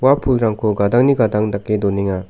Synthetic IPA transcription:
wapʰulɾaŋkʰoɡadaŋniɡadaŋdakːedɔneŋa

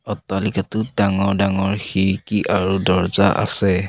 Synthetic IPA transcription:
ɔtːalikatʊdaŋɔɹdaŋɔɹxiɹkiʔaɹudɔɹza̰ʔa̰sɛ

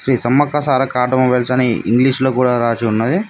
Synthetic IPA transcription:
sɾiːsɐmːɐkːɐsaːɾɐkaːʈɐmɐʋeɭsɐniḭŋɡliːʂloːkuːɽaːɾaːt͡ʃuunːɐd̪i

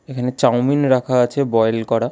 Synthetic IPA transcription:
ekʰanet͡ɕawminɾakʰaat͡ɕʰebɔjelkɔɾa

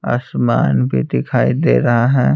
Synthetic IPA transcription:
aːsmaːnbʱid̪ɪkʰaːid̪ḛːɾɐɦaɦɛː

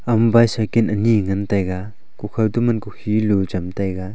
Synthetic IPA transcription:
ɐmbajsakinɐniŋɐntajɡa | kukʰɐltumɐnkukʰilud͡ʒɐmtajɡa

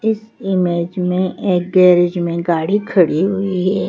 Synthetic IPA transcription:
ɪsɪmeːd͡ʒmẽeːk̚ɡɛːɾed͡ʒmẽɡaːɽikʰɐɽiɦʊiɦɛː

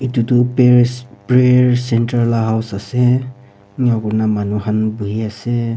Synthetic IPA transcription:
itutʊppɹeɹsɛntaɹlaɦawsasɛ | nɔkɔɹnamanuhanbuɦiasɛ

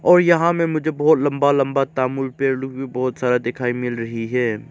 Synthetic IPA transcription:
ɔːɾjɐɦãmẽmʊd͡ʒʱebɔːt̪lɐ̃mbalɐ̃mbat̪aːmuːlpeːɾlʊkbʱibɔːt̪saːɾad̪ɪkʰaːimɪlɾɐɦiɦɛː

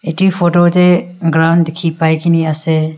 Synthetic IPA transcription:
eʈiːfoːʈoːt̪eɡɾaʊ̃ɳɖd̪ɪkʰipaːikiniɐse

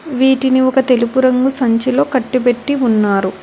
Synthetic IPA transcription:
ʋiːʈiniɔkɐt̪e̞lupuɾɐŋɡusɐɲt͡ʃilo̞ːkɐʈːipe̞ʈːiunːaːɾu

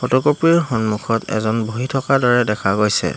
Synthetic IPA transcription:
pɔtɔkɔpiɹxɔnmukʰɔtɛ̰zɔnbʱoɦitʰɔkadɔɹɛdɛkʰaɡojsɛ̰

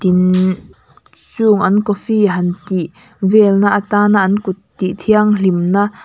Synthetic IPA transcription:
t̪in | t͡suːŋʔɐnkɔfiɦɐnt̪iʔ | vɛːlnaʔt̪aːnaʔnkut̪ːiʔt̪ʰiaŋlimnaʔ

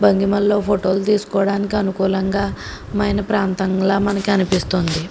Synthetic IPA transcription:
bɐŋɡimɐlːo̞ːpʰoʈo̞ːlt̪iːsu̥kɔːɽaːnikiɐnukuːlɐŋɡaː | mɐjnɐpɾaːnt̪ɐŋlaːmɐnɐkiɐnipist̪ond̪i

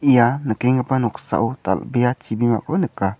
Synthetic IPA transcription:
ijanəkɛŋɡəpanɔksa̰ʔut̪a̰lbejat͡ʃibima̰konəka

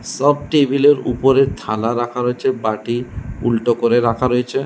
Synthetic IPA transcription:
sɔb̚ʈebileɾṵpoɾet̪ʰalaɾakʰaɾoet͡ɕʰebaʈiṵlʈokoɾeɾakʰaɾojet͡ɕʰe

